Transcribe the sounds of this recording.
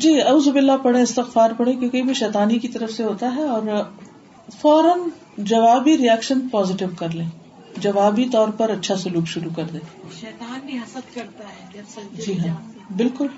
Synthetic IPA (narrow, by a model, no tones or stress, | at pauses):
d͡ʒiːɐʊːzʊbɪlːapɐɽẽɪst̪ɪxfaːɾpɐɽ̤ẽkjõːkebʱiʃɛːt̪aːnikit̪ɐɾəfseɦoːt̪aɦɛɔːɾ | fɔːɾən | d͡ʒɐʋaːbiɾijɛːkʃənpɔːzɪʈɪbkɐɾlẽː | d͡ʒɐʋaːbit̪ɔːɾpɐɾɐtːʃʰasʊluːkʃʊɾukɐɾd̪ẽːʃɛːt̪aːnɐlkɐɾt̪aɦɛɐd͡ʒiːɦãːbɪlkʊl